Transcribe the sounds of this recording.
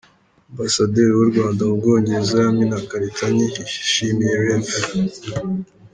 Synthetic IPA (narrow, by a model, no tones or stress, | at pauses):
ambasadeɾiwuɾɡwaːndaubɡoːɲɟezajaminakaɾitʰaɲiiʃimijeɾenpe